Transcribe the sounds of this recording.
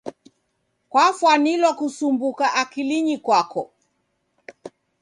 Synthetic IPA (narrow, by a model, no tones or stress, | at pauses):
kwafwanilwakusumbukaʔakiliɲikwakɔ